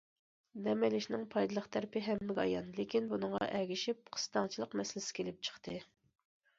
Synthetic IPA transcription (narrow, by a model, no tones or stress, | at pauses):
nɛmɛlɪʃnɪŋpʰɑjd̪ɨlˠəχt̪ʰæɾpɪɦɛmːɪɡʲɑ̰jɑ̰nlekʲinbunɨŋʁɑ̰ʔɛɡʲiʃip̚qʰə̥st̪ɑŋt͡ʃʰilˠəqmɛsɪlɪsɪ̥kʲʰelɪp̚t͡ʃʰə̥χt̪ʰɨ